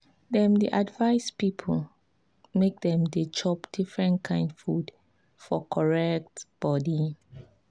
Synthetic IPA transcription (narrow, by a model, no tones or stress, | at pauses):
dɛ̃mdiʔadvaɪspipʰl | mek̚dɛ̃mdet͡ʃʰɔpdifɹɛ̃nkʰãɪ̃ndfud | fɔkʰɔɹɛk̚tb̥ɔdi